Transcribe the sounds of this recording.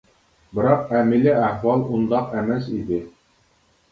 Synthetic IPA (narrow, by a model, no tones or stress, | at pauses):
bɤ̆ɾɑqæmilɘæhwɑlˠund̪ɑqæmæsid̪ɘ